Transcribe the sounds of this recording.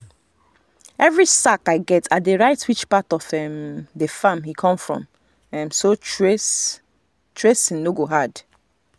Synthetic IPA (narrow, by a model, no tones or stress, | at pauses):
ɛvɹisakaɪɡɛtʰatdeɹaɪtwit͡ʃpatɔfɛmdefamhikʰɔ̃mfɹɔ̰̃m | ɛmsot͡ʃes | tʰɹesĩnnoɡoɦad